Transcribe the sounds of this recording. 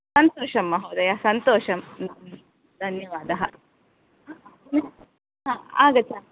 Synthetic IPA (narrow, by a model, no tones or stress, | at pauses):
sɐnt̪oːʃɐmːɐɦɐwd̪ɐjasɐnt̪oːʃɐmnam | d̪ʱɐnjɐʋaːd̪ɐɦɐ | a | me | ɦãːa̰ːɡɐt͡ʃːa